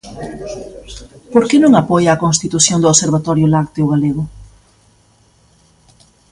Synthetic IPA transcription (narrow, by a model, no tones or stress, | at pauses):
poɾkenõŋapɔjaːkoŋst̪it̪usjoŋd̪ʊoseɾβat̪ɔɾjʊlakt̪eʊɣaleɣʊ